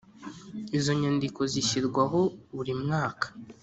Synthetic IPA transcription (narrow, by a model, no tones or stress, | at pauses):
izo̞ɲandiko̞ziɕiɾɡwaɦo̞βuɾimŋaːkḁ